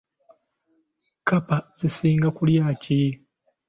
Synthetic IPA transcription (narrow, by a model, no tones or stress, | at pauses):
kapaz̥isiːŋɡakuljaːci